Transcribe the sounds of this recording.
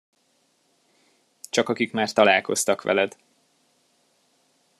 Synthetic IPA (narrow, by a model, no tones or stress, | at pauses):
t͡ʃɒkɒkikmaːrt̪ɒlaːlko̞st̪ɒkʋɛ̰lɛd̪̥